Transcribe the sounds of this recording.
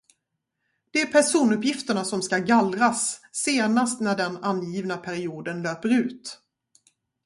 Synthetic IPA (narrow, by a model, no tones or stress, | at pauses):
d̪̥ɛæɾpʰæʂuːnɵpjɪft̪əɳasɔmskaɡalɾasːeːnast̪næɖɛnanjiːvnapʰæɾɪuːd̪ənløːpəɾʉ̟ːt̪